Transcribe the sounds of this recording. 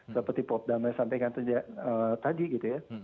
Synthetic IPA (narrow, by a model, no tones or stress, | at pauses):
səpərt̪ipɔp̪̚damasampakant̪əd͡ʒaʔət̪adiɡit̪uja